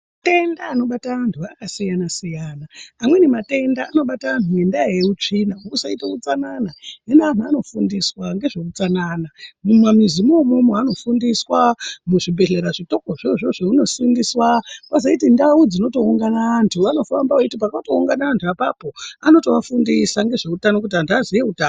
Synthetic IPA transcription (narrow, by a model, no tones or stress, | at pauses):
te̞ndaːno̞ɓataantʰuakasijanasijaːnaːmwe̞nemate̞ndaːno̞ɓataanujendajeut͡ʂinausaitakut͡sananaenean̤uano̞fundiswaŋɡe̞ʐekut͡sananamumwamizimomomoano̞fundiswamuʐibʱe̞ɮeɾaʐito̞koʐiʐoʐeuno̞sindiswakazaitindaud͡zino̞to̞uŋɡanaːntʰuʋano̞fambaaitipakato̞uŋɡanaːntʰuapapo̞ano̞toʋafundisaŋɡe̞ʐe̞utanok̬ut̬iandiazijeutaːn